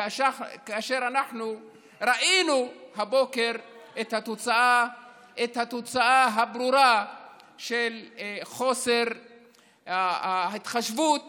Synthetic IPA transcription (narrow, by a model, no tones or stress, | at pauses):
ʃkaaʃe̞ʁanaħnu | ɾaʔinuhabo̞ke̞ʁʔet̪hat̪o̞t͡saa | et̪hat̪ot͡saaɦabɾuɾa | ʃelχo̞se̞ʁ | ait̪χaʃvut̪